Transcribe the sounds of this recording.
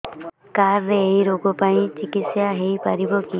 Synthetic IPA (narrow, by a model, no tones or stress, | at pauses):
kaɾːeːjɾoɡɔpaĩt͡ʃikit̪sjaɦejpaɾibɔki